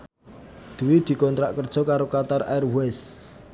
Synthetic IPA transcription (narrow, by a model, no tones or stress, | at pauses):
d̪̥ṳwid̪̥i̤kɔnt̪ɾa̰ʔkərd̥ʒ̥ɔ̤kaɾokat̪ara̰ɛrwɛs